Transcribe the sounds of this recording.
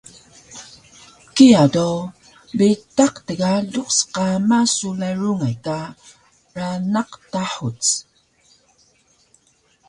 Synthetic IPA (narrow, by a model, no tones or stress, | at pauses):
kiado | bitaqtəɣaɮuqsqamasulajɹuŋajka | ranaqtaħut͡s